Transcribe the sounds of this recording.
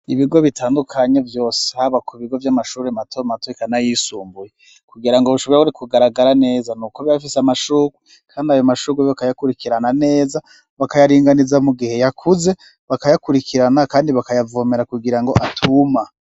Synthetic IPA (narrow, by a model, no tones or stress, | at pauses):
iβiɡo̞βitaːndukʰaɲe̞vjo̞ːsehaβakʰuβiɡo̞vjamaʃuːɾematʰomatoikanajisuːmbuje | kuɡiɾaŋɡoβuʃoβojaβuɾikuɡaɾaɡaɾane̞ːzanuːkoβjafiseamaʃuɡwe | kʰaːndiajomaʃuɡweakajakuɾikiɾanane̞ːza | βakajaɾiːŋɡanizamuɡihe̞jakʰuze̞ | βakajakuɾikʰiɾanakaːndiβakajavomeɾakuɡiɾaŋɡo̞ʔatʰuma